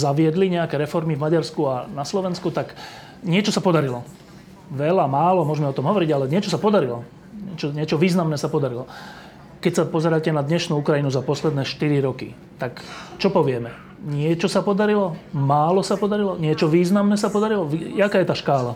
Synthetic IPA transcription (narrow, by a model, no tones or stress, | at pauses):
zaʋɪɛd̪liɲɛakɛɾɛfɔɾmivmaɟaɾskuanaslɔʋɛnskut̪ak | ɲɪɛt͡ʃɔsapɔd̪aɾilɔ | ʋɛlamaːlɔmʊɔʒɛmɛɔt̪ɔmɦɔʋɔɾiɟalɛɲɪɛt͡ʃɔsapɔd̪aɾilɔ | ɲɪɛt͡ʃɔɲɪɛt͡ʃɔʋiːznamnɛːsapɔd̪aɾilɔ | kɛcsapɔzɛɾaːcɛnad̪ɲɛʃnuːukɾajinuzapɔslɛd̪nɛːʃt̪iɾiɾɔkḭ | t̪akt͡ʃɔpɔʋɪɛmɛ | ɲɪɛt͡ʃɔsapɔd̪aɾilɔmaːlɔsapɔd̪aɾilɔɲɪɛt͡ʃɔʋiːznamnɛːsapɔd̪aɾilɔʋiakaːjɛt̪aːʃkaːla